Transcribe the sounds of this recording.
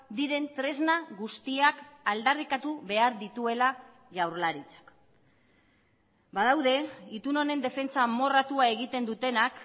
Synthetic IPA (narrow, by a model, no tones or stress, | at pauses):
d̪iɾe̞nt̪ɾe̞znaɣust̪iakald̪arikat̪uβe̞aɾðit̪ue̞la | ʝawɾlaɾit͡sḁk | bað̞awðe̞it̪uno̞ne̞nd̪e̞fe̞nt͡samo̞rat̪uae̞ɣit̪e̞nd̪ut̪e̞nak